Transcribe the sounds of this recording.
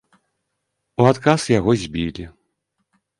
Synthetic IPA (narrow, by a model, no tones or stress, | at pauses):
uat̪kasjaɣɔzʲbʲilʲi